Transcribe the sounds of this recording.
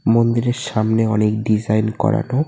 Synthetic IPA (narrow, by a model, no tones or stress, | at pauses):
mond̪iɾeɾʃamneɔnekɖid͡ʑajnkɔ̰ɾa̰no